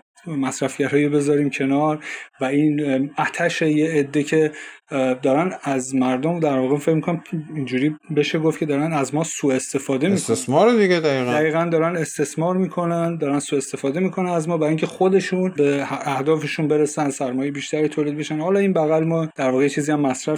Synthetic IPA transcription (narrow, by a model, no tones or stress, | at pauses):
mæsɾæfɟæɾɒːjobe̞zɒːɾiːmcʰe̞nɒːɾvæinæt̪ʰæʃejeːd̪ːe̞cʰe̞ | d̪ɒːɾænæzmæɾd̪omd̪æɾvɒːɣefecmikʰonæmind͡ʒuːɾiːbe̞ʃe̞ɡofkcʰe̞d̪ɒːɾænæzmɒːsuːe̞st̪e̞fɒːd̪emist̪esmɒːɾed̪iɡed̪æiːɣd̪æɣiːɣænd̪ɒːɾæne̞st̪e̞smɒːɾmiːkʰo̞nænd̪ɒːɾænsuːe̞st̪e̞fɒːd̪e̞miːkʰo̞nænæzmɒːbæɾiŋcʰe̞xo̞d̪e̞ʃunbeæhd̪ɒːfe̞ʃunbe̞ɾesænsæɾmɒːjeebiːʃt̪æɾit̪ʰoːlid̪be̞ʃænhɒːlɒːiːnbæɣælmɒːd̪̥æɾvɒːɣejet͡ʃʰiːziæmːæsɾæf